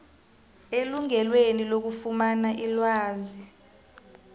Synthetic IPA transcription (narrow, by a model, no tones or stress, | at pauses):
eluŋɛlwenilok̬ufumanaʔilwaːzi